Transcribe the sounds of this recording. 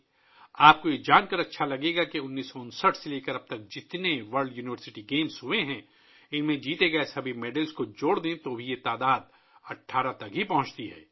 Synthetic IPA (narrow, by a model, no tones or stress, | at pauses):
aːp̚kojed͡ʒaːnkɐɾɐtːʃʰalɐɡeːɡakeʊnːiːsːɔʊnsəʈʰseleːkəɾɐb̚t̪ɐk̚d͡ʒɪt̪neʋɐɾɖjuːnɪʋəɾsɪʈiɡeːmsɦʊeɦɛ̃ | ɪnmẽd͡ʒiːt̪eɡɐesɐbʱimeːɖəlskod͡ʒoːɽd̪ẽt̪oːbʱijet̪aːd̪aːd̪̚ | ɐʈʰːaːɾat̪ɐkɦipɐ̃ɦʊ̃t͡ʃt̪iɦɛ̰ː